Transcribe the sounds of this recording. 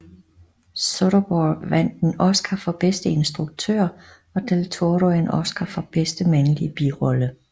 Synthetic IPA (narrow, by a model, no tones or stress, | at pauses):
soɾɐb̥ɒ̥ʋæn̰d̥enɒ̽sɡ̥ʰæfɒ̽b̥esd̥əe̝nsd̥ʁuɡ̥̚t͡sʰø̰ːɐ̰ | ɒ̽d̥elt͡sʰoɐɾoenɒsɡ̥ɐfɒ̽b̥esd̥əmænəlib̥iʁɒ̽lə